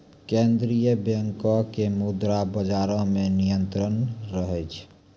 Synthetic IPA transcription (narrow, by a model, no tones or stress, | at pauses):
kẽnd̪ɾijəbjeŋkɔkemud̪ɾabəd͡ʒaːɾõmenijənt̪ɾənɾəɦɛt͡ʃʰ